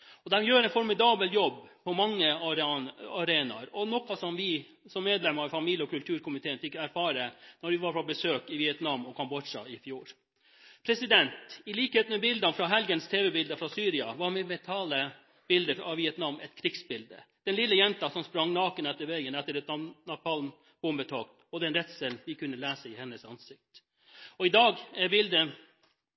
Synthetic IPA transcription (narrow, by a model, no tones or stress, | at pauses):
ɔd̪ɛmjøːɾɛnfɔɾmɪd̪ɑːbəljɔbːpʰɔmɑŋːə | ɑɾeːnɑ̰ɾɔnɔkːɑsɔmʋɪ | sɔmːeːd̪lɛməɑʋfɑmiljəɔkʉlt̪ʰʉːɾkʊmɪt̪eːənfɪkːæɾfɑːɾənɔɾʋɪʋɑɾpɔbəsøːkɪʋɪɛt̪nɑmːɔkʰɑmbɔʂɑ̰ɪfjuːɾ | pʰɾɛsɪd̪ɛnt̪ɪliːkheːt̪nmɛbɪld̪ɑnfɾɑɦɛlɡənst̪ʰeːʋɛbɪld̪əfɾɑsyːɾɪɑʋɑɾmɛmɛt̪ʰɑːlə | b̥ɪld̪əɑʋʋɪɛt̪nɑmʔɛt̪kʰɾɪɡsbɪld̪ə̰d̪̥ɛnlɪlːəjɛnt̪ɑsɔmspɾɑŋnɑːkənɛt̪ːəɾʋɛɡənɛt̪ːəɾɛt̪ɑnɑpɑln | b̥ʊmbət̪ʰɑːkt̪ɔd̪ɛnɾɛt̪səlʋɪkʉnːəlæːsəɪhɛnːəsɑnsɪk̚t̪ | ɔɪd̪ɑːɡɛɾbɪld̪ə